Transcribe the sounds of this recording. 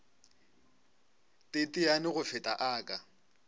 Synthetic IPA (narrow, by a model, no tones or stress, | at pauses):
tʼɪtʼɪanɪɣʊfɪtʼaʔaːkʼa